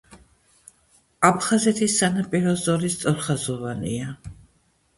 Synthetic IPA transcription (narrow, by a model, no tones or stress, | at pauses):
apʰχazɛt̪ʰisːanapʼiɾɔzɔɾist̪sʼɔɾχazɔvanḭa